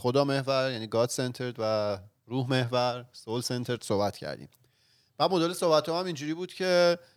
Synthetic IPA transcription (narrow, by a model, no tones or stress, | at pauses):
xod̪ɒːme̞hvæɾjæniːɡɒːt̪se̞nt̪ʰeɾd̪væ | ruːɦme̞hvæɾsolsent̪ʰeɾd̪̥sohbæt̪ʰcʰæ̰ɾd̪ḭːm | b̥æːd̪mod̪ɒːlesohbæt̪ʰːɒːæmind͡ʒuːɾiːbuːd̪̥cʰe̞